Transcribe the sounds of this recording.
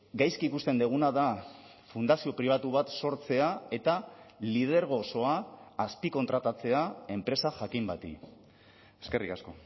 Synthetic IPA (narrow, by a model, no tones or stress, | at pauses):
ɡajskikust̪e̞nd̪eɣ̞unaða | fund̪asio̞pɾiβ̞at̪uβ̞at̪so̞ɾt͡se̞ae̞t̪alið̞e̞ɾɣ̞o̞so̞aːspiko̞nt̪ɾat̪at͡se̞ae̞mpɾe̞saʝakimbat̪ḭ | e̞ske̞rikasko̞